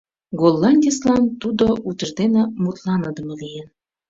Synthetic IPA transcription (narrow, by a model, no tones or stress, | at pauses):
ɡolˠːɑnʲdʲəslɑnt̪ud̪oʔut̪ə̆rd̪enemut̪lɑnɤd̪ə̆mɤ̆lijen